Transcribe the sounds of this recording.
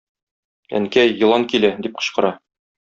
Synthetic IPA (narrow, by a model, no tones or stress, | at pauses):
æ̰ŋkæjːɤ̆lˠɑŋkilæd̪ip̚qɤ̆ɕqɤ̆ɾɑ